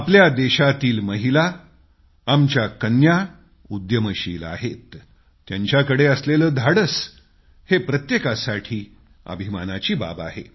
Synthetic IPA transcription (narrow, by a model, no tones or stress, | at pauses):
apljad̪eɕat̪iːlməɦilaː | mt͡ɕjakənja | ud̪jəməɕiːla̰ɦet̪ː | jaɲt͡ɕjakəɽeəsleləːd̪ʱaɽəs | hepɾət̪jekasaʈʰiː | ə̰bʱimanat͡ɕiːba̰ba̰ɦḛ